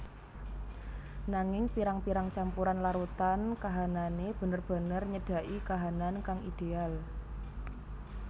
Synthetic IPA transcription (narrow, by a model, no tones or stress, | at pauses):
naŋɪŋpiɾaŋpiɾaŋt͡ʃampuɾanlaɾut̪ankaɦananeb̥ə̤nərb̥ə̤nərɲəɖ̥a̤ʔikaɦanankaŋid̪̥eal